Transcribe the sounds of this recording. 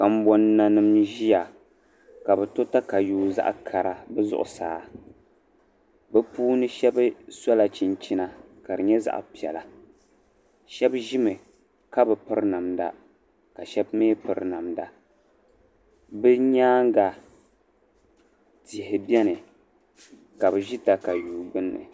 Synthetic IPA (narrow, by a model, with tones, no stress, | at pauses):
ka˨m̩˦bɔ˦nːa˨nɨ˦mʒi˦ja˨ | ka˨bɛ˨to˦ta˦ka˨juː˦za̰˦ʔkʰa˨ɾa˨bɛ˦zʊ̰˦ʔʊ̰˨saː˨˦ | bɛ˦puː˦nɨ˦ʃɛ˦bɨ˦sa˦la˨t͡ʃi˨nt͡ʃi˦na˨ka˨ɾɨ˨ɲɛ˦za̰˦ʔpi˨ɛ̰˨la˨ | ʃɛ˦bʒi˦mɨ˨ | ka˦bɨ˨pɨ˦ɾna˨mda̰˨ | ka˨ʃɛ˦bmeː˦pɨ˨ɾna˨mda̰˨ | bɨ˦ɲaː˦ŋ˦ɡa˨ | ti˨ɦɪ˨bɛ˦nɨ˨ | ka˨bɨ˨ʒi˦ta˨ka˨juː˨ɡ͡bɨ˦nːɨ̰˨